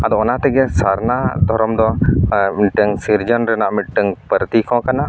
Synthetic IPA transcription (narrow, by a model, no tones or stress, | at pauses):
ad̪ɔɔnat̪ɛɡɛsaɾnad̪ʱɔɾɔmd̪ɔmiʈəŋsiɾd͡ʒɔnɾɛnaʔmiʈ̪̚ʈəŋpəɾt̪ikɔ̃kana